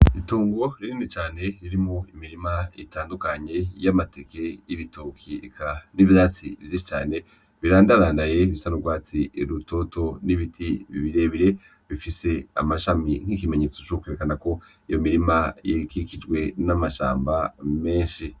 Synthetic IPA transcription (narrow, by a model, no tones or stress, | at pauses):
ituːŋɡo̞ɾiɾiːnit͡ʃaːne̞ɾiɾimoimiɾimaḭtaːndukaɲe̞jamateke̞jiβitokʰikʰaniβdaːt͡sivjiʃit͡ʃa̰ːne̞ | βiɾaːndaɾaːndaje̞iβisanuɡwaːt͡siɾuto̞to̞niβitʰiβḭβiɾe̞βiɾe̞ | βifise̞a̰maʃamiŋ̥hikime̞ɲe̞t͡so̞t͡ʃokweɾekanako̞ | ijo̞miɾimajikikid͡ʒɡwe̞namaʃa̰ːmbame̞ːʃi